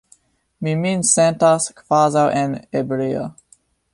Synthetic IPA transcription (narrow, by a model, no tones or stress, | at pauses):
miminsɛ̃ntaskvazawʔenebɾia̰